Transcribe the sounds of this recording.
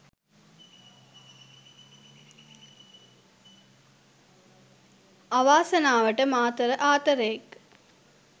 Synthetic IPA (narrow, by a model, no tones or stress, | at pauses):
aʋaːsənaːʋəʈəmaːt̪əɾəʔaːt̪əɾəjek